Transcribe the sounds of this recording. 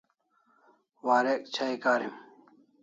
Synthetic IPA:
waːɾek̚t͡ɕʰaikaːɾim

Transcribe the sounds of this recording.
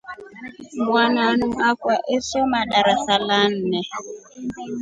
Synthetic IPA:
mwananuakwaʔesɔmaɗaɾasalan̩nɛ

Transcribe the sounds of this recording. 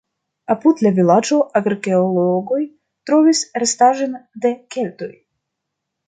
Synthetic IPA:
apud̪lavilad͡ʒo̞ʔaɡɾke̞oloɡoj | t̪ɾo̞visɾest̪aʒend̪e̞ke̞lt̪o̞j

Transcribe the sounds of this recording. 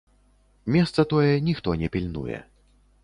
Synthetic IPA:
mʲɛst̪sɐt̪ɔjɛnʲixt̪ɔnʲɛpʲilʲnṵjɛ̰

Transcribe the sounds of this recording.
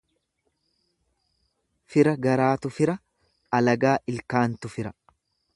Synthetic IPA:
fɪɾɐɡɐɾaːt̪ʊfɪɾɐ | ɐlɐɡaːʔɪlkaːnt̪ʊfɪɾɐ

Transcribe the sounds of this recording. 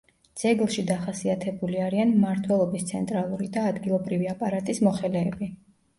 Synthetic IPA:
d̪z̥ɛɡlˠʃid̪aχasiat̪ʰɛbuliaɾianmmaɾt̪ʰwɛlˠɔbist̪sʰɛ̰nt̪ʼɾalˠuɾid̪aːd̪ɡilˠɔbɾiviapʼaɾat̪ʼismɔχɛlɛːbi

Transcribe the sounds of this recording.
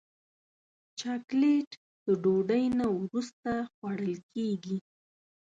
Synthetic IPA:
t͡ʃɑkleʈ | d̪̥əɖoɖəjnawɾust̪axwaɽəlkeɡi

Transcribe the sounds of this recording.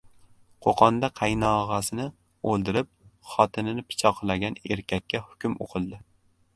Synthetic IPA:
qʰoqʰɒnd̪aqʰɑjnɒʁɑsɪnɪ | olˠd̪ɪɾɪp̚χɒt̪ʰɪnɪnɪpʰɪ̥t͡ʃʰɒqʰɨlˠaɡʲaneɾkʲʰakʲːahʊ̥kʲʊmo̰qʰɨlˠd̪ɪ

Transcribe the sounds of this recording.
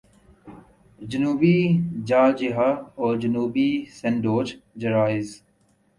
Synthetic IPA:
d͡ʒənuːbid͡ʒaːd͡ʒɪɦaɔːɾd͡ʒənuːbisɛ̃ɳɖoːd͡ʒd͡ʒɐɾaːɪz

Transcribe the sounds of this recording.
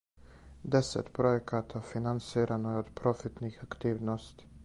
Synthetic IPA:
d̪ɛsɛ̰t̪pʰɾɔjɛkʰat̪ʰafɪnanseːɾʔanoɔd̪pʰɾɔfɪt̪niɡakt̪iːʋnɔst̪

